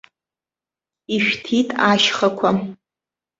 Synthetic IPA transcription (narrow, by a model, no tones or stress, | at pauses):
iʃᶣtʰitʼaʃχakʷʰa